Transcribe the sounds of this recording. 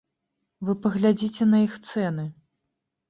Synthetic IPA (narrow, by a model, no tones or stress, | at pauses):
vɨpɐɣlʲad͡zʲit͡sʲɛnɐixt̪sɛnɨ